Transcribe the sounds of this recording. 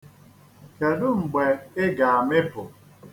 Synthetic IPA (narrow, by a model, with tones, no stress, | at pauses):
ke˨dʊ˦ŋ͡m̩˨ɡ͡be˨ɪ˦ɡa˨a˨mɪ˦pʊ˨